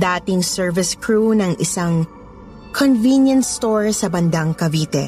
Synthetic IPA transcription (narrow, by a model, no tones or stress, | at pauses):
d̪aːt̪ɪŋsɛɹvɪskɹunɐŋʔɪsaŋ | kʰonvinjɐ̃nt̪st̪oɹsɐbɐnd̪ɐŋkɐviːt̪ɛ̰